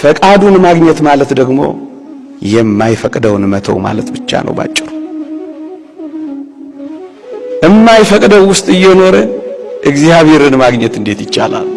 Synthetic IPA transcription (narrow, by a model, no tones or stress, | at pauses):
fəkʼad̪unmaɡɲɛt̪malət̪d̪əɡmo̞̰ | jɛmːajfəkʼd̪əwnmət̪ʰə̰wma̰lət̪bɨt͡ʃːa̰nʔə̰wba̰t͡ʃʼːɪɾu | ʔɨmːajfəkʼd̪əwːʊst̪ʼɨjːɛno̞ɾəʔɨɡzijaβe̞ɾɨnmaɡɲɛt̪ɨnd̪e̞t̪jɪt͡ʃːa̰la̰l